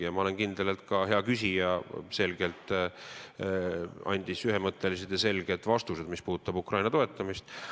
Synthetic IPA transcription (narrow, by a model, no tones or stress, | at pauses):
jɑmɑole̞nkind̪̥elelt̪kɑɦe̞ɑkysʲijɑse̞lɡe̞lt̪ˑ | ɑ̰nʲd̪̥isyɦe̞mɤt̪ːˑe̞lised̪̥jɑse̞lɡ̥e̞d̪̥vɑst̪use̞d̪mispuːt̪ːˑɑbukrɑjnɑt̪o̞e̞t̪ˑːɑmist̪